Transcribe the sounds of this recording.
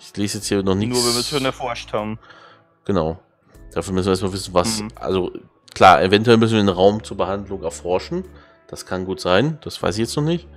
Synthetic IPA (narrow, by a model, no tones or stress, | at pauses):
ʔɪçleːzjɛt͡sthiːɐnɔχnɪnuːɐvɛɐmviʃoːnɛɐfɔɐʃthaːbm̩ | ɡ̥ənaʊ | d̥aːfɔnmʏsnviɛɐst̬malvɪsn̩vasʔa̰lzo | kʰl̥aːʔevɛntuɛlmʏsn̩viːdenʁaʊmt͡suːɐbəhandlʊŋɛɐfɔɐʃn̩ | d̥askʰanɡuːtz̥aɪnd̥asv̥a̰ɪs̬ɪçjɛt͡stnɔχnɪçt